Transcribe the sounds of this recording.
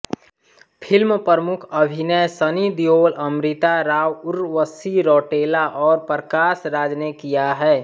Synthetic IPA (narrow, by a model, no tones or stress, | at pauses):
pʰɪlmpɾəmʊkʰəbʱinesənid̪ijoːləmɾɪt̪aɾaːwʊɾʋəsiɾɔːʈeːlaʔɔːɾpɾkaːsɾaːd͡ʒnekijaɦɛː